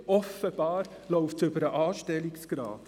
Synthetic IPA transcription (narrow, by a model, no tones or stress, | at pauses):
ɔfəb̥ɑːɾ | lɔʊftʏbəɾəʔɑːʃtɛliksɡ̥ɾɑ̰ːt